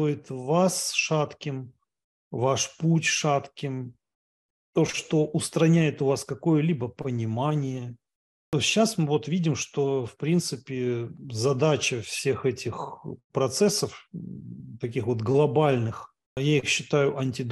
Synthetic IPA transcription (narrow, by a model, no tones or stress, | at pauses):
t̪ojɪt̪vasʂat̪kʲɪm | vaʂputʲʂat̪kʲɪm | t̪o̞ʂt̪o̞ʔʊst̪ɾɐnʲæjɪt̪ʊvaskɐko̞jəlʲibəpənʲɪmanʲɪjə | t̪oɕːasmɨvo̞t̪vʲidʲɪmʂt̪o̞fpɾʲint̪sɨpʲɪzɐd̪at͡ɕəfsʲe̞xɛtʲɪxpɾɐt̪sɛsːəf | t̪ɐkʲixvo̞t̪ɡlˠɐbalʲnɨx | jaixɕːɪt̪ajʊʔɐnʲtʲɪd̪